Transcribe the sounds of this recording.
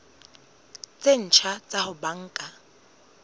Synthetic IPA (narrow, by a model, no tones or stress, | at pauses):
t͡sʼen̩t͡ʃʰat͡sʼahʊbaŋ̩ːkʼa